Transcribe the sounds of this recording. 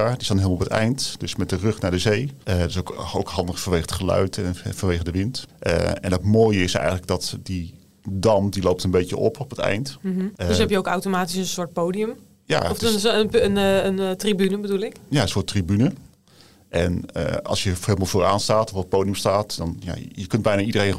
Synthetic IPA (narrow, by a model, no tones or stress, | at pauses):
aɹdɪsdɑnɦeɪlˠmˠɔpətɛ̰jntd̥ɵsmɛt̚dərɵχnaːɹdəzejdɪsowko̰wkɦɑndəχfənʋejχəətχəlœ̰ɥtɛnfɑnʋejχədəʋɪntʔə̰ɛ̰nətmoːjəɪsɛ̰jxənləɡ̚dɑtdi | dɑmdilowp̚tənbejtə̰ʔɔpʰɔpətɛ̰jntəsɛpjəowkawtomaːtisənsʊːɹt̚powdijəm | ja̰ɔsənəntribynəbədulɪkjaəsʊːtribynə | ʔɛnə̰ɑ̰lˠsjəheɪlˠəmalˠvoːɹaːnstaːtɔfɔt̚powdijəmstaːtdɑnja̰jəkɵnd̚bɛjnaːidərejn